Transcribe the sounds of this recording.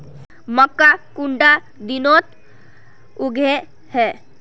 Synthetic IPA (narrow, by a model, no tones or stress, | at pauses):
məkːakuɳɖa | d̪inot̪ | uɡʱe | hɛ